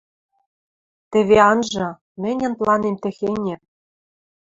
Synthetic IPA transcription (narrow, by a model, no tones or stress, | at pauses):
t̪ɘ̆βeɑnʒɤ̆ | mɘ̆nʲɘ̆nplˠɑnemt̪ɘ̆xenʲĕ